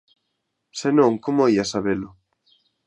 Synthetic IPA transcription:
senõŋkomoiasaβelʊ

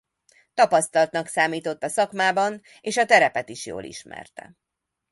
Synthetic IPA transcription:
t̪ɒpɒst̪ɒlt̪nɒksaːmiːt̪o̞t̪ːɒsɒkmaːbɒn | eːʃɒt̪ɛɾɛpɛt̪iʃjo̰ːlḭʃmɛ̰rt̪ɛ̰

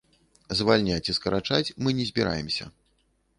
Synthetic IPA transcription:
zvalʲnʲat͡sʲiskɐɾat͡ʂat͡sʲmɨnʲɛzʲbʲiɾʔa̰jɛmsʲɐ̰

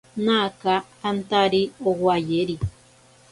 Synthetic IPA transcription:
nakahant̪aɾiowajeɾi

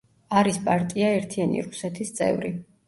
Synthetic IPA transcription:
aɾispʼaɾt̪ʼiaɛɾt̪ʰianḭɾusɛt̪ʰist̪sʼɛ̰vɾi

